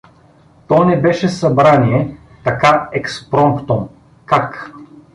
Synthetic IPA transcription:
t̪ɔnɛbɛʃɛsɐbɾaniɛ | t̪ɐkaɛkspɾɔmkt̪om | kak

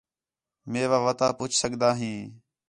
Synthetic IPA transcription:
mẽːʋaːʋət̪aːpʊt͡ʃʰsəɠd̪aːɦĩː

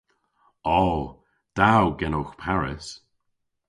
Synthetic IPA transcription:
ɔː | d̪̥awɡɛnoxpʰaɹɪ̰s

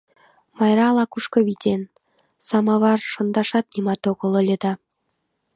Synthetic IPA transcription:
mɑjɾɑlˠɑkuʃkɤ̆βit̪ʲen | sɑmɑβɑrʃɤ̆nd̪ɑʃɑt̪̚nimɑt̪oɣɤ̆lˠə̆lʲɤ̆d̪ɑ

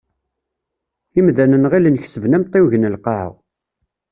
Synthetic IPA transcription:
imðænənʁilənçsəvnæmt̪ˤːewʝnəlqɑʕə̰ʁ

